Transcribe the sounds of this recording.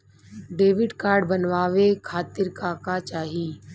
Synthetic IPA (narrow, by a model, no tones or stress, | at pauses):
ɖeːʋɪɖkaːɾɖbənʋaːʋekʰaːt̪ɪɾkaːkat͡ʃaːɦiː